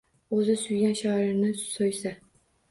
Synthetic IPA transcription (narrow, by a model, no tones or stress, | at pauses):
ɵzɪsʊjɡʲanʃɒɪɾnɪsojsa